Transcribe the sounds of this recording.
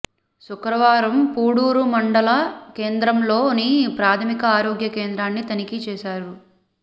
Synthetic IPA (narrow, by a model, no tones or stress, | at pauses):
sukɾɐʋaːɾɐmpuːɽuːɾumɐɳɖɐlɐke̞ːnd̪ɾɐmlo̞ːnipɾaːt̪ʰɐmikɐaːɾoːɡjɐkeːnd̪ɾaːnːit̪ɐnikit͡ʃɛːʃaːɾu